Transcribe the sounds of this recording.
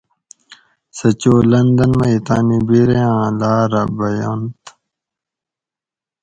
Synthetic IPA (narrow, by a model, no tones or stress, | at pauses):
sɐt͡ɕoːlɐnd̪ɐnmɐit̪aːnibiɾeãːlaːɾɐbɐjont̪